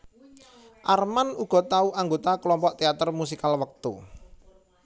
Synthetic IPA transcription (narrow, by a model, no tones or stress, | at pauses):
ʔarmanuɡ̥ɔ̤t̪auʔaŋɡot̪aklɔmpɔʔt̪eat̪ərmus̬ikalwək̚t̪ṵ